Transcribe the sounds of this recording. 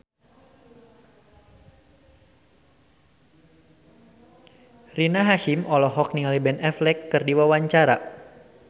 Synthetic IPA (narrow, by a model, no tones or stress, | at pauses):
rinaɦaʃimɔlɔɦɔk̚niŋalibɛnɛflɛkːərdiwawaɲt͡ʃaɾa̰